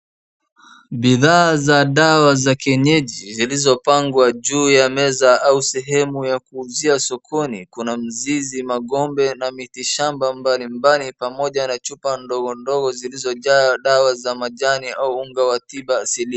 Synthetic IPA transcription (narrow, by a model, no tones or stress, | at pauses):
ɓiðaːzaɗawazakɛɲɛʄizilizɔpaŋɡwaʄuːjamɛzaausɛɦɛmujakuːziasɔkʰɔnḭkunam̩zizimaɠɔmbɛnamitiʃambambalimbalipamɔʄanat͡ʃupandɔɡɔndɔɡɔzilizɔʄaɗawazamaʄaniauuŋɡawatiɓaːsili